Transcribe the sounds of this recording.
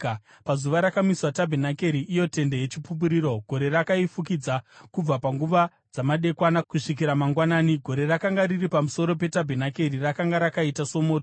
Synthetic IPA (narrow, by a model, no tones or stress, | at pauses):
pazuʋaɾakamiswatabʱenake̞ɾiʔːjo̞te̞nde̞jet͡ʃipup̬uɾiːɾo̞ɡʱo̞ɾe̞ɾakaifuk̬id͡zakub͡vapaŋɡuʋa | d͡zamaɗe̞kwanakuʂik̬iɾamaŋɡwanaːniɡʱo̞ɾe̞ɾakaŋɡaɾiripamuso̞ɾo̞pe̞tabʱenake̞rirakaŋɡaɾakaitaso̞mo̞ːto